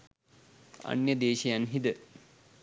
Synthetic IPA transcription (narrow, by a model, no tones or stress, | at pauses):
ɐ̰njɐd̪eːɕɐjanɦid̪ə